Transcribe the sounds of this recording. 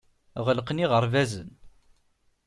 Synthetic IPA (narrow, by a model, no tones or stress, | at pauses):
ʁəlqniʁəɾˤvæzə̰n